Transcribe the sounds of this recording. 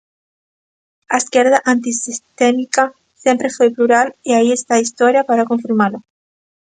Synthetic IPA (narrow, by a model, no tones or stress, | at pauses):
aeskjeɾðaʔant̪isist̪emika | sjempɾefwepluɾaliaiest̪aist̪oɾjapaɾakõɱfiɾmalo